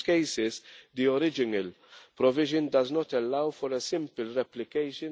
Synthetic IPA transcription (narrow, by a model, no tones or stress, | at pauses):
kɛjsɪzd̪iɔɾɪd͡ʒɪnɐl | pɾɔvɪʒɪnd̪ɐznɔt̪ɛlːɐwfɔɾɛsɪ̃mpɪlɾɛplɪkɛjʃɪ